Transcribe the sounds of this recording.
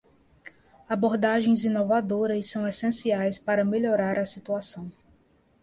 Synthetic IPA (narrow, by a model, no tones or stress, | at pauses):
aboɾd̪aʒẽj̃zĩnovad̪oɾɐssɐ̃w̃esẽsiajspaɾɐmeʎoɾaɾɐsit̪uasɐ̃w̃